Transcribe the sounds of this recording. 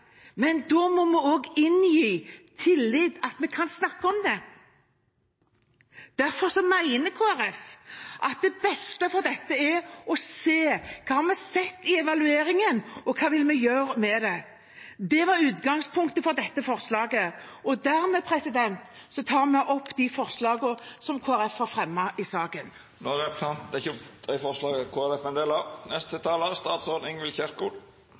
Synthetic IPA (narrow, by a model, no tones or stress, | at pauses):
mɛnd̪oːmɔmɛoːɡɪnjiːt̪ʰɪlːɪd̪ɑt̪mɛkʰɑnsnɑkːəɔmd̪ɛ | d̪̥æɾfɔɾsɔmæɪnəkʰoːæɾɛfʔɑt̪̚d̪ɛbɛst̪əfɔɾd̪ɛt̪ːəɛɔseːkʰɑːhɑmɛsɛt̪ːɪɛʋɑlʉeːɾɪŋənɔkʰɑːʋɪlmɛjøːɾəmɛd̪ɛ | d̪ɛʋɑɾʉːt̪ɡɑŋspʰʊŋkt̪əfɔʁd̪ɛt̪ːəfɔʁslɑːɡəɔd̪æʁmɛpʰɾɛsɪd̪ɛnt̪ | sɔt̪ʰɑːʁmɛʔɔpːd̪ɪfɔʁslɑːɡəsɔmkʰoːæɾɛfhɑɾfɾɛmːɑʔɪsɑːkən | noɾɛpsʰɑnt̪d̪ɛɪçəd̪̥ɛfɔɾslɑːɡəkʰoːæɾɛfɛnd̪eːlɑnɛst̪ʰət̪ʰɑːləɾst̪ɑːt̪sɔɾnɪŋʋɪlçɛɾkuːl